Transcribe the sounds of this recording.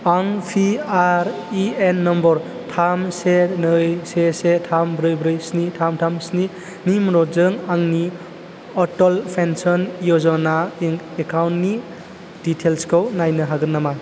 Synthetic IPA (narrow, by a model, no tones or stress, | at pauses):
aŋpʰiaɾ | ienːɔmbɔɾ | tʰamsenɯjsesetʰambɾɯjbɾɯjsnitʰamtʰamsni | nimɾɔzɯŋaŋni | ɔtɔlpʰensɔnjɔzɔnaŋekawntni | d̥itʰelskʰɔwnajnɯɦaɡɯɾnamaj